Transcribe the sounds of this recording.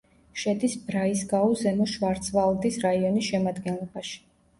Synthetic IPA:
ʃɛd̪isbɾaisɡaɔzɛmɔʃvaɾt̪sʰvalˠd̪isɾaiɔnisʃɛmad̪ɡɛnlˠɔbaʃi̥

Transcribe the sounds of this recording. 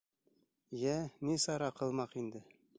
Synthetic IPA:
jænisɑɾɑqɤ̆lˠmɑqind̪ɘ

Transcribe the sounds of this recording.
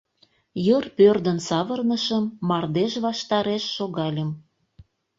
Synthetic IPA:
jərpørd̪ənsɑβərnəʃəmːɑrd̪eʃβɑʃt̪ɑɾeʃːoɣɑlʲəm

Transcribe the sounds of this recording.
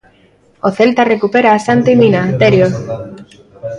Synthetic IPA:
oθe̞lt̪are̞kupeɾaːsant̪iminat̪eɾjo

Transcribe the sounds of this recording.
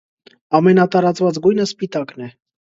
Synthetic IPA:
ɑmɛnɑt̪ɑɾɑt͡svɑt͡sɡujnəspit̪ɑknɛ

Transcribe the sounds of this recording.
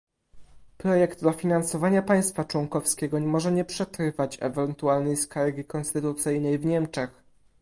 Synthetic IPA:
pɾɔjɛɡd̪d̪ɔfʲinansɔvaɲapaj̃st̪fat͡ʂwɔŋkɔfskʲɛɡɔɲmɔʐɛɲɛpʂɛt̪ɾɘvat͡ɕɛ̰vɛnt̪ualnɛjskaɾɡʲikɔnst̪ɘt̪ut̪sɘjnɛjvɲɛmt͡ʂɛx

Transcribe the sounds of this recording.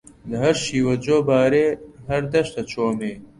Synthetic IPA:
d̪əɦɐɾʃiːwɐd͡ʒoːbaːɾeːɦɐɾd̪ɐʃt̪ɐt͡ʃʰoːmeː

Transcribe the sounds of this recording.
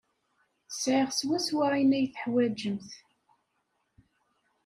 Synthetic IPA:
sʕɪʁswæswainæjθəħwæd͡ʒəmθ

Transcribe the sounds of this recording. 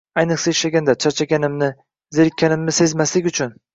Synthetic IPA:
ajnɨχsaɪʃlaɡʲand̪at͡ʃʰaɾt͡ʃʰaɡʲanɪmnɪ | zeɾɪkʲʰːanɪmnɪse̞zmaslɪkʲʊt͡ʃʰʊn

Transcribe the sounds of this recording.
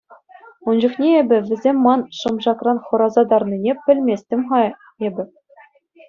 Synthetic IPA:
und͡ʑuχnʲeebʲɘ̆ʋʲɘ̆zʲemʲːɑnʂɤ̆mʐɑkrɑnχɤ̆ɾɑzɑd̪ɑrninʲepʲɘ̆lʲmʲesʲtʲɘ̆mʲχɑ | ebʲɘ̆

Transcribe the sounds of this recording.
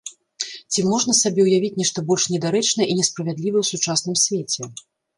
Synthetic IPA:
t͡sʲimɔʐnɐsabʲɛwjavʲit͡sʲnʲɛʂt̪ɐbɔlʲʂnʲɛd̪aɾɛt͡ʂnɐinʲɛspɾɐvʲad̪lʲivɐwsut͡ʂasnɨmsʲvʲet͡sʲɛ

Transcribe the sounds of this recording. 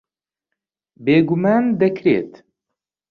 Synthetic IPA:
beːɡumaːnd̪ɐkʰɾḛːt̪

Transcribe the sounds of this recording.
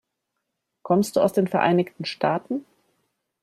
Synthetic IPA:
kʰɔmstd̥uːa̰ʊsd̥eːnfɛɐʔa̰ɪnɪçtn̩ʃtʰaːtn̩

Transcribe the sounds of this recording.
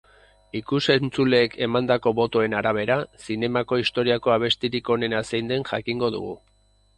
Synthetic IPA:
ikuse̞nt͡sule̞ːkʰe̞mand̪ako̞βo̞t̪o̞e̞naɾaβ̞e̞ɾasine̞mako̞ist̪o̞ɾiako̞aβ̞e̞st̪iɾiko̞ne̞nasejnd̪e̞nʝa̰kiŋɡo̞ðṵɣ̞ṵ

